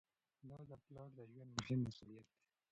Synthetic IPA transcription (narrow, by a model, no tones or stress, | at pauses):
d̪ɑd̪əplɑʈd̪əʒwand̪mʊhɪmːasṵlijat̪̚d̪e̥